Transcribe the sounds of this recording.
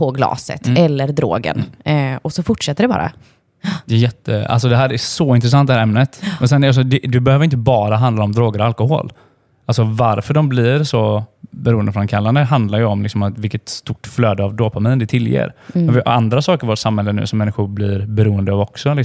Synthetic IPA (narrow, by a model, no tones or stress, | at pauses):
pʰɔɡlɑ̰ːsə̰t̪ʰɛlːəɾd̪ɾo̰ːɡə̰nɔsɔfʊʈʂɛt̪ːəɖɛbɑ̰ːɾa̰ | d̪ɛjɛt̪ʰːə̰a̰ls̬ɔd̪ɛɦæːɾæsɔɪnt̪ɾɛs̬ant̪d̪ɛhæːɾɛmnət̪mɛnsɛnals̬ɔd̪ɛd̪ɛbɛhøːvəɾɪn̬əbɑːɾaɦand̪laɾɔmd̪ɾoːɡəɾalkʊho̰ːl | ʔalsɔvaɾfœɖɔmblɪɾsɔbɛɾuːənd̪əfɾɔnnkʰalːand̪əɦand̪laɾjəɔmlɪksɔmat̪vɪlkət̪st̪ʊʈːfløːd̪əavd̪oːpʰamiːnd̪ɛt̪ʰɪljḛːɾɛvand̪ɾasɑːkəɾvoːʈsamhɛlːənʉ̟ːsɔmːɛnːɪɧʊɾblɪɾbɛɾuːənd̪əavɔksɔlɪk